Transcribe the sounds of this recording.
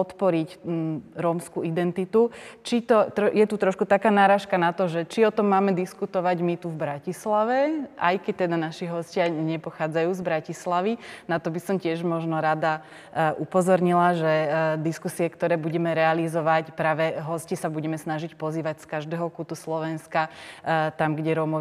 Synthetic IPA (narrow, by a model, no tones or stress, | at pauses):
pɔt̪pɔɾicɾɔmskuid̪ɛnt̪it̪ut͡ʃit̪ɔt̪ɾɔjɛt̪ut̪ɾɔʃkut̪akaːnaːɾaːʃkanat̪ɔʒɛt͡ʃiɔt̪ɔmːaːmɛd̪iskut̪ɔʋaɟmit̪uvbɾacislaʋɛʔa̰jkɛc̚t̪ɛd̪anaʃiɦɔscɪaɲɛpɔxaːd͡zajuːzbɾacislaʋinat̪ɔbisɔmcɪɛʒmɔʒnɔɾad̪a | ʔupɔzɔɾɲilaʒɛd̪iskusiɛkt̪ɔɾɛːbuɟɛmɛɾɛalizɔʋacpɾaːʋɛɦɔscisabuɟɛmɛsnaʒicpɔziːʋacskaʒd̪ɛːɦɔkut̪uslɔʋɛnskat̪amɡɟɛɾɔmɔ